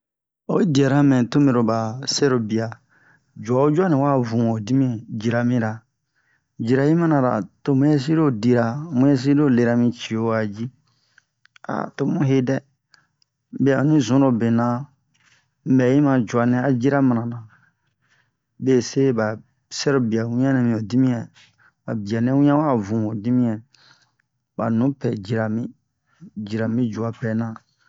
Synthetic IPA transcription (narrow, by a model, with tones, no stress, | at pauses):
o̰˨e˦di˨ɛ˨ɾa˦mɛ̃˨to˦me˨ɾo˨ba˨sɛ˦ɾo˨bi˨a˨ | d͡ʒu˨a˨o˦d͡ʒa˦nĩ˨wa˦vũ˨o˨di˦mĩ˦d͡ʒi˨ɾa˨mĩ˦ɾa˨ | d͡ʒi˨ɾa˨ji˦ma˦nã˨ɾa̰˨to˨mũ˦e˦s̬i˦ɾo˦di˨ɾa˨mũ˦je˦s̬i˦do˦˨le˨˧ɾa˦mĩ˦t͡ʃi˨o˦a˨d͡ʒi˦ | a̰˨to˨mũ˦ɦe˦dɛ˦ | be˦a˨nĩ˦zũ˦ɾo˨be˨nã˨ | bɛ˨ji˦mã˨d͡ʒu˨a˨nɛ̃˦a˨d͡ʒi˦ɾa˦mã˨nã˨nã˨ | be˦˨se˦ba˨ | sɛ˦ɾo˦bi˨a˨wĩ˦ã˦nɛ̃˨mĩ˨o˨di˦mĩ˦ɛ̃˨ | ba̰˨bi˨a˨nɛ̃˦wĩ˦ã˦wa˦˨vũ˨o˨di˦mĩ˦ɛ̃˨ | ba̰˨nũ˨˦pɛ˨d͡ʒi˨ɾa˨mĩ˦ | d͡ʒi˨ɾa˨mĩ˦d͡ʒu˨a˨pɛ˨nã˨